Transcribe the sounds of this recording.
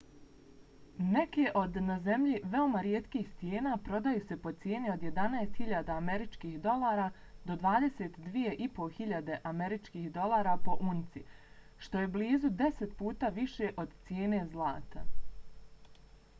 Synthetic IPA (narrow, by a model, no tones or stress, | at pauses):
ne̞ke̞ʔo̞d̪nazemʎiʋe̞o̞maɾjet̪kiːxt̪ʲjeːnaːpɾo̞d̪ajuːse̞po̞t̪sje̞ːnio̞d̪je̞d̪anaest̪hiʎaːd̪aːme̞ɾit͡ʃkiːhd̪o̞lˠaːɾaː | d̪o̞d̪ʋaːd̪e̞set̪d̪ʋije̞ʔipo̞xiʎad̪e̞ʔame̞ɾit͡ʃkiːhd̪o̞lˠaːɾapo̞ʔunt̪si | ʃt̪o̞je̞bliːzud̪e̞se̞t̪puːt̪aːʋiʃe̞ʔo̞d̪t̪sjeːne̞zlˠa̰ːt̪a̰